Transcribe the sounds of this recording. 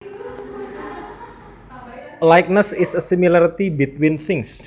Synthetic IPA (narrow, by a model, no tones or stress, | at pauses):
lajk̚nəsɪsəsimilaɾit̪ibit̪winθɪŋs